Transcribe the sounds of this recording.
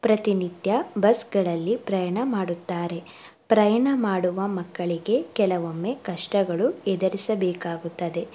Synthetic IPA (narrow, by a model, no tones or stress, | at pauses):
pɾɐt̪inid̪jɐbɐsɡɐɭɐlːipɾɐjɐɳɐmaːɽut̪ːaːɾe̞ | pɾɐjɐɳɐmaːɽuʋɐmɐkːɐɭiɡe̞kɛlɐʋomːe̞kɐʂʈɐɡɐɭuɛd̪ɐɾisɐbɛːkaːɡut̪ːɐd̪e̞